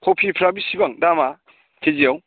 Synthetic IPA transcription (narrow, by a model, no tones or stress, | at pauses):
kʰɔwpʰipʰɾabisibaŋdama | kʰed͡ʒijaw